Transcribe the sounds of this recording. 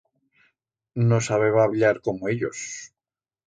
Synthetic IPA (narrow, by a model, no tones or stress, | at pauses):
nosaβeβaβʎaɾko̞moeʎo̰s